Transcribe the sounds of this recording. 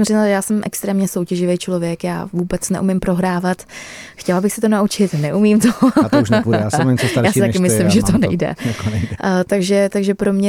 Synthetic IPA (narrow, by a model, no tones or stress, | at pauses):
mrɪɲaljaːsɛmʔɛ̰kst̪ɾɛːmɲɛso̞wcɛʒɪvejt͡ʃlo̞vjɛkja̰ːvuːbɛt͡snɛʔumɪmpɾo̞ɦɾaːvat̪xcɛlabɪxsɛt̪onaut͡ʃɪt̪nɛʔumiːmt̪oʃpusnt͡ssjaːsɪt̪akɪmɪslɪmʒɛt̪onɛ̰jdɛ̰nɛjt̪aɡʒɛt̪aɡʒɛpɾomɲɛ